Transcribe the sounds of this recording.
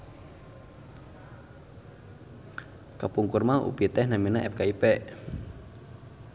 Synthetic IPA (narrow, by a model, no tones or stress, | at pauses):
kapuŋkurmaṵpit̪ɛhnaminaʔɛfkaipɛʔ